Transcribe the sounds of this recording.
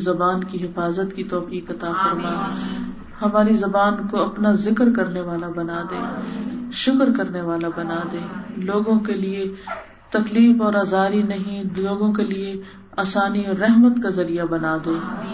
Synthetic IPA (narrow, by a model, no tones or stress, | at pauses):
zɐbaːnkiɦɪfaːzət̪kit̪ɔːfiːkɐt̪aːfɐɾmaː | hɐmaːɾizɐbaːnkoɐpnazɪkɾkɐɾneʋaːlabɐnaːd̪ẽːʃʊkɾkɐɾneʋaːlabɐnaːd̪ẽːloːɡõkelie | t̪ɐkliːbɔːɾaːzaːɾinɐɦĩloːɡõkelie | aːsaːniɔːɾːɛɦmət̪kazɐɾijabɐnaːd̪ẽː